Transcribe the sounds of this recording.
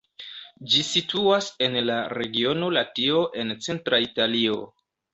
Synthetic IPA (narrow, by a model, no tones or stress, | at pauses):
d͡ʒisituase̞nlaɾe̞ɡio̞no̞latio̞ʔe̞nt͡se̞ntɾaitalio̞̰